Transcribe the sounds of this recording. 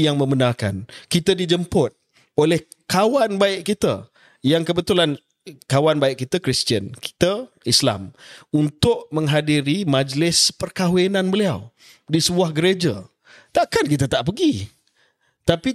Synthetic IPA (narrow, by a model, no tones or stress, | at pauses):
jaŋmə̃mənarka̰nkit̪ədid͡ʒəmpʊt̪̚ | olɛh | kawanbaɪʔkit̪ə̰ | jaŋkəbət̪ulan | kawanbaɪʔ̚kit̪əkɾist̪iənkʰi̥t̪ə | isla̰munt̪ʊʔmə̃ŋɦadiɾimad͡ʒlɪspərkawenãnbəliaw | disəbuahɡəɾed͡ʒa | t̪aʔkankit̪at̪aʔpəɡi | t̪api